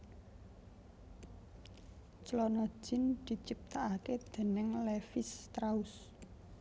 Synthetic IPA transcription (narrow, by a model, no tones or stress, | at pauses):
t͡ʃlɔnɔ̥ʒ̥ɪ̤nd̪̥i̤t͡ʃip̚t̪aʔaked̪̥e̤nɪŋlefɪst̪ɾaʊs